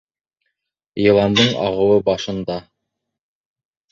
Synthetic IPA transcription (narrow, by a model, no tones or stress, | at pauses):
jɤ̆lˠɑnd̪ɤɴɑ̰ʁɤ̆wɤbɑʃɤ̆nd̪ɑ